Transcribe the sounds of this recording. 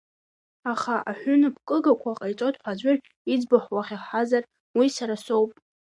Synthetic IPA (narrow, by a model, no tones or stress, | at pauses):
aχaʔaħʷʊnɨpʰkʼɨɡakʷʰaqʼajt͡sʼotʼħʷad͡ʒʷʊr | id͡zbaħʷwaχʲiħazar | wisaɾaso̞wpʼ